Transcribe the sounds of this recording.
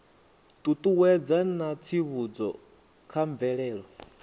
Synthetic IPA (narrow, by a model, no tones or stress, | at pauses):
t̪ʼut̪ʼuwɛd͡zanat͡sʰiβud͡zɔ̰ | kʰaɱb̪vɛɺɛːɺɔ